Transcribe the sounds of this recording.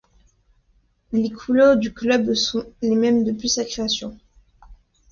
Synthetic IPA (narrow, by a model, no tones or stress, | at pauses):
lekʰulɔʁd̪yklœbsɔ̃lemɛmd̪əpɥisakχeasjɔ̃